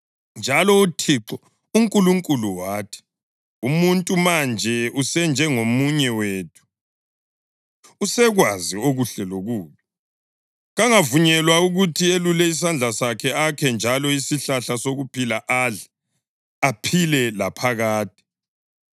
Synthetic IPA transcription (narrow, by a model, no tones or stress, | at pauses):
nd͡ʒʱalɔutʰiǁɔ | uŋkʼuluŋkʼuluwaːtʰi̥ | umuntʼumand͡ʒʱɛusɛnd͡ʒʱɛŋomuɲɛweːtʰu̥ | usɛɣwazioɣuɬɛloɣuːβi | ɣaŋavuɲɛlwauɣutʰielulɛis̬and͡ɮʱasakʰɛakʰɛnd͡ʒʱalɔisiɬaɬasoɣupʰilaʔaɮɛ | apʰilɛlapʰaɣaːt̚ʰʼi̥